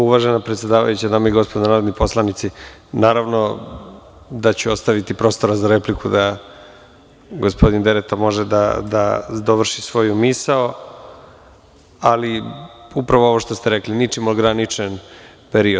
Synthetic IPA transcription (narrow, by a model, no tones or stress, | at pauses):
uʋaʒenapɾet̪sje̞d̪aːʋa̰jut͡ɕanaːmaiɡo̞spod̪anaːɾod̪nipo̞slˠanit̪sinaːɾaʋno̞ | d̪at͡ɕuost̪aʋit̪ipɾo̞ːst̪o̞ɾazaɾe̞plikud̪a | ɡospo̞d̪ind̪eɾet̪amo̞ʒed̪a̰d̪ad̪oʋr̩ʃisʋo̞jumisao | aliupɾaʋoo̞ʋoʃt̪ost̪eɾeklinit͡ʃimoɡɾanit͡ʂen | peɾiod̪